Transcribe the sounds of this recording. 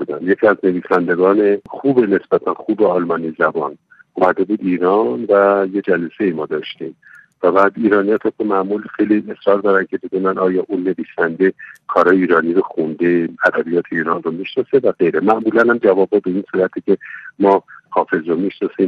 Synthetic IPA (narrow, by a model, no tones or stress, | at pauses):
ud̪ænjecʰiæzne̞viːsænd̪e̞ɡɒːne̞xuːbene̞sb̥æt̪ʰænxuːbeɒlmɒːnizæbɒːn | omæd̪e̞buːd̪iːɾɒnvæje̞d͡ʒælese̞jimɒːd̪ɒːʃt̪iːm | væbæːd̪iːɾɒːnijɒt̪ʰɒkomæʔmulixejlie̞sɾɒːɾd̪ɒːɾæncʰe̞beɡ̪unænɒːjɒːʔunːe̞viːsænd̪e̞kʰɒːɾɒːjeiːɾɒːniːɾoxund̪e̞æd̪æbijɒːt̪ʰeiːɾɒːnromiʃnɒse̞væɡe̞jɾemæʔmuːlænhæmd͡ʒævɒːbɒbeinsuːɾæt̪ʰicʰe̞mɒːhɒːfe̞zɾomiʃnɒsim